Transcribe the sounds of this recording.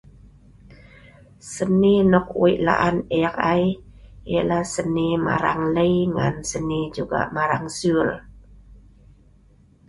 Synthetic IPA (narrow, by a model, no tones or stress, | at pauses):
sənːinɔk̚uiʔla̰ʔanɛkajelasənima̰ɾaŋləjŋa̰nsənid͡ʒuɡa̰ʔmaɾaŋsul